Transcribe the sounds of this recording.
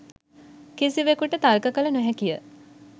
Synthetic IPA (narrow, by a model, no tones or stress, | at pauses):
kisiʋekuʈət̪alkəkələnɛɦɛkijə